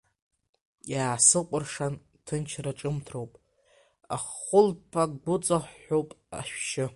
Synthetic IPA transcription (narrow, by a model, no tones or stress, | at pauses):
jaːsɨqʷʼʊrʂan | tʰɨnt͡ʃʰraʈ͡ʂʼɨmtʰrowpʼ | a̰χʊlpʰakɡʊt͡sʼaχʷːowpʼ | a̰ʃᶣʃɪ